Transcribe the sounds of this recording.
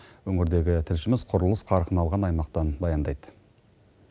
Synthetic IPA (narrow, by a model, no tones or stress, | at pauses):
wɵŋɪɾd̪e̞ɡʲɪt̪ʰɪlʃɪmɪz̥qʰʊɾəlˠəsqʰɑɾqʰənɑlˠʁɑnɑjmɑqt̪ɑnbɑjɑnd̪ɑjd̪ə